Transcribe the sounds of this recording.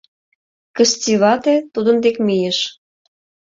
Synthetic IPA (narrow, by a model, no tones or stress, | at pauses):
kəstʲiβɑt̪et̪ud̪ə̆nd̪ekmijeʃ